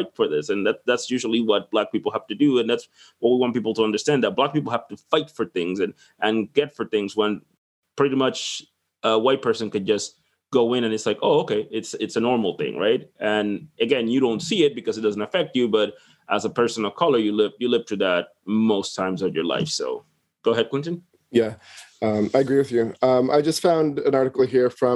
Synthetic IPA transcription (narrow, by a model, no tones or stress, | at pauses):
faɪtfə˞ðɪsɨ̃nðætsðætsjʉʒl̩ˠiwʌt̚b̥læk̚pipl̩ˠhæftɨdɨɨ̃nðæts | wʌt̚wiwɑ̃ntpipl̩ˠtʰəʌ̃ndə˞stæ̃nðət̚b̥læk̚pipl̩ˠhæftɨfaɪtfə˞θɪ̃ŋzɨ̃n | ʔɨ̃nɡɛtfə˞θɪ̃ŋzwə̃n | pʰɹ̥ɪɾimʌt͡ʃ | əwaɪt̚pʰɜ˞sɨ̃nkɨ̃nd͡ʒʌs | ɡ̥oʊɪ̃ñɨ̃nɨtslaɪkoʊoʊkʰeɪɪtsɪtsɨnɔɹml̩ˠθɪ̰̃ŋɹa̰ɪt̚ʔɨ̃nɨɡɛ̃njɨɾõʊ̃ntsiɪt̚b̥ɨkʌzɨt̚d̥ʌzn̩tɨfɛk̚t͡ʃɨbʌɾ | ʔəzəpʰɜ˞sə̃n̩əkʰʌlˠə˞jɨlɪvjɨlɪv̥tʰʉðæt̚moʊstʰãɪ̃mzə˞jə̰˞la̰ɪfsoʊ | ɡ̥oʊəɦɛd̚kwɪ̃ntɨ̃n̩ | jæʌ̃maɪɨɡɹiwɨðjʉʌ̃ma̰ɪd͡ʒʌstfãʊ̃ndɨ̃nɑɹɾɨkl̩ˠɦiɹfɹʌ̃